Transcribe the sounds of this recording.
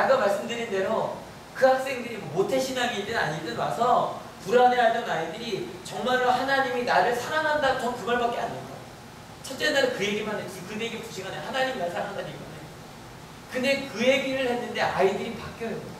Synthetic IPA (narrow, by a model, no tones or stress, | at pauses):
naɡamaɭs͈ɯmdɯɾinde̞ɾo | kɯɦak̚s͈e̞ŋdɯɾimmotʰeɕʰinaŋidɯnaɲidɯnwa̰sʰʌ | puɾaneɦaɭt͈ʌnaidɯɾit͡ɕʌŋmaɭːohanaɲiminaɾɯɭsʰaɾaŋɦandaɡot͡ɕʌmkɯɡʌɭbak͈ea̰ndenɡa | t͡ɕʰʌt͡ɕ͈e̞naɾekɯje̞ɡimanet͡ɕ͈ikɯeɡipu̥ɕʰiɡanahanaɲiminaɭsʰaɾaandaɲiɡʌnajo | kɯne̞kɯje̞ɡiɾɯɭhe̞nːɯnde̞ʔaidɯɾipak͈jʌ